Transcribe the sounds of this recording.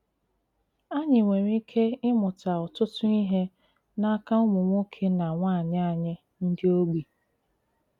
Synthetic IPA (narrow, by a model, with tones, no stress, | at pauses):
a˦ɲɪ˨ŋʷe˨ɾi˦kʰe˦ɪ˦mʊ˨ta˨ɔ˨tʊ˦tʊ˦i˦ɦe˦ | na˦ka˦ʊ˦mʊ˨ŋʷo˦kʰe˦na˨ŋʷa˦˨ɲɪ˦a˦˨ɲɪ˦ | n̩˦dɪ˦o˦ɡ͡bi˨